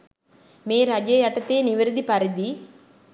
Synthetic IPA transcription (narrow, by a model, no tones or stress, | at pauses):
meːɾɐd͡ʒɐjɐʈːɐt̪ːeːnɪʋɐɾd̪ipɐɾɪd̪i